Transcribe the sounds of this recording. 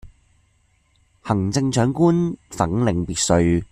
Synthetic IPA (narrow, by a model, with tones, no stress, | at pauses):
hɐ˨˩ŋt͡sɪ˧ŋt͡ʃœː˨˥ŋkuː˥nfɐ˨˥ŋlɪ˨˧ŋpiː˨˧t̚sɵ˧ɥ